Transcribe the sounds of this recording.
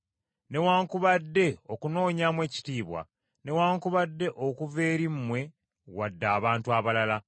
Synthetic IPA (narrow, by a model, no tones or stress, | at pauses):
ne̞waːŋkuβadːe̞okuno̞ːɲamwe̞ːci̥tiːβwa̰ | ne̞waːŋkuβadːe̞ʔo̞kuve̞ːɾimːwe̞ | wadːaːβaːntuaβalala